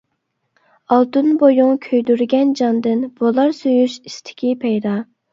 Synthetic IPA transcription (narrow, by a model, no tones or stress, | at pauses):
ɑlˠt̪unbojuŋkʲʰøjd̪yɾɡʲɛnd͡ʒɑnd̪ɨnb̥olˠɑɾsøjyʃist̪ʰɪ̥kʲipʰɛjd̪ɑ